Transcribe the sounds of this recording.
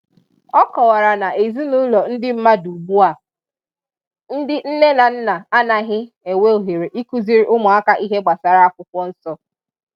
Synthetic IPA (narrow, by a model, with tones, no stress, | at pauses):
ɔ˦kɔ˨wa˨ɾa˨na˨ʔe˨zi˦nu˦lɔ˨n̩˦dɪ˦m̩˦ma˦du˨ɡ͡bu˦a˨ | n̩˦dɪ˦n̩˦ne˦na˨n̩˦na˨a˦na˨ɦɪ˦ | e˨we˦o˨ɦe˨ɾe˨ʔi˦ku˦zi˦ɾi˦ʔʊ˦mʊ˨a˦ka˦ʔi˦ɦe˦ɡ͡ba˨sa˨ɾa˦a˦kʷʊ˦kʷɔ˦n̩˦sɔ˦